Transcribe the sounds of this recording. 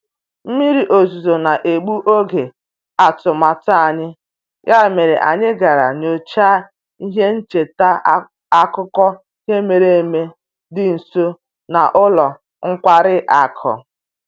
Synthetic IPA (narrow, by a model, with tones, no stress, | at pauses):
m̩˦mi˦ɾi˨ʔo˨zu˨zo˨na˨ʔe˨ɡ͡bu˦ʔo˦ɡe˨ | a˨tʊ˨ma˨ta˨ɲɪ˦ | ja˦˨me˨ɾḛ˨ʔa̰˨ɲɪ˦ɡa˨ɾa̰˨no˨t͡ʃaː˦ | i˦ɦe˦n̩˦t͡ʃe˨ta˦ | a˦kʊ˦kɔ˦ | i˦ɦe˦me˨ɾe˦e˨me˦ | dɪ˦n̩˨so˦ | na̰˨ʔʊ˦lɔ˨ | ŋ̩˦kʷa˦ɾɪ˦ʔa˨kʰɔ̰˨